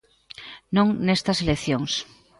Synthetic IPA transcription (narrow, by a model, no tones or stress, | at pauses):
nõŋnest̪ɐselekθjoŋs